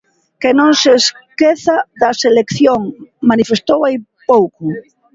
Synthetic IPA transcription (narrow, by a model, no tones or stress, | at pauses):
kenõŋseskeθaðɐselekθjoŋmanifest̪owaj | powkʊ